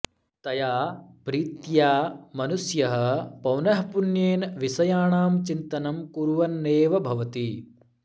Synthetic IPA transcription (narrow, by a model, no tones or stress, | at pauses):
t̪ɐjaːpɾiːt̪jaːmɐnusjɐɦɐ̆pɐwnɐɦpunjeːnʋisɐjaːɳaːmt͡ʃint̪ɐnɐmkuɾʋɐnːeːʋɐbʱɐʋɐt̪i